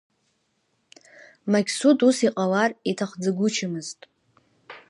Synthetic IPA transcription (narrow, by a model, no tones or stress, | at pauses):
makʲʰsutʼusiqʼalaritʰaχd͡zaɡʷʊt͡ʃʰɪmɨztʼ